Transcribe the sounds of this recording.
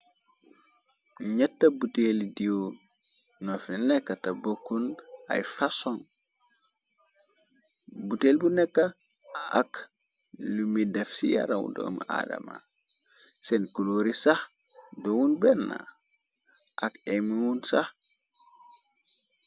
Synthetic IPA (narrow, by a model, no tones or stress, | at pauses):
ɲatːabutelidio | nofinekːatabokːuna̰jfasoŋ | buteːlbunekːa | a̰k | lumidefsija̰ɾawṵdo̰mʔa̰da̰ma̰ | senkuloɾisah | dowunbenːa̰ | ʔakemiwunsah